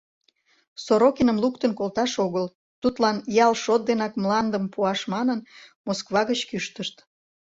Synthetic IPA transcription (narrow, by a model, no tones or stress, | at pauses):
soɾokenəmlukt̪ənkolt̪ɑʃoɣəl | t̪ut̪lɑnjɑlʃot̪̚d̪enɑkmlɑnd̪əmpuɑʃmɑnənmoskβɑɣət͡ɕkyʃt̪əʃt̪